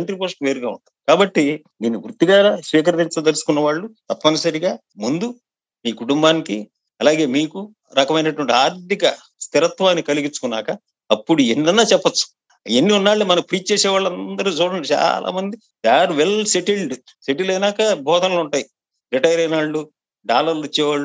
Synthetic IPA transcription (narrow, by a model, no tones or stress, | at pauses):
ɳʈɾipoːsʈʋeːɾuɡaːṵɳʈɐikaːbɐʈːi | d̪iːnːiɡɾut̪ːiɡaːsʋiːk̬ɐɾɐt̪iɲt͡ʃ̪ut̪elusu̥kunːɐʋaːɭːut̪ɐpːɐnɐsɐɾiɡaː | mund̪u | miːkuʈumbaːniki | ɐlaːɡe̞ːmiːku | ɾɐkɐmɐjnɐʈuʋɐɳʈiaːɾd̪ikɐ | st̪iɾɐt̪ʋaːnːikɐliɡit͡ʃːukunːaːkɐ | ɐpːuɽueɳɖ̪ɐnːaːt͡ʃɛpːɐt͡ʃːu̥ | enːiunːaːɭːumɐnɐkpɾiːt͡ʃt͡ʃɛːsɛːʋaːɭːɐnd̪ɐɾut͡ʃuːɽɐɳɖit͡ʃa̰ːlʔa̰ːmɐnd̪i | d̪aːɾʋelse̞ʈilɖ | seʈilɐjnaːkɐbʱɔːd̪ʱɐnluɳʈaːji | ɾiʈɐjɾɐjnaːɭːu | ɖaːlɐɾlit͡ʃːɛːʋaːɭːu